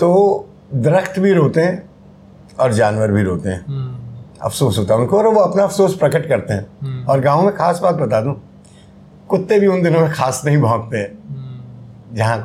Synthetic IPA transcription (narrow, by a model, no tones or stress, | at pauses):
t̪oː | d̪ɾəkt̪bʱiɾoːt̪eɦɛ̃ | ɔːɾd͡ʒaːnʋəɾbʱiɾoːt̪eɦɛ̰̃ː | ɐ̰fʰsoːsɦoːt̪aɦɛʊ̃nkoɔːɾʋoɐpnaɐfsoːspɾɐkəʈkɐɾt̪eɦɛ̃ːɔːɾɡãːõmẽxaːsbaːt̪̚bɐt̪aːd̪ũː | kʊt̪ːebʱiʊnd̪ɪnõmẽxaːsnɐɦĩbʱɔ̃ːkt̪eɦɛ̃ː | d͡ʒɐɦã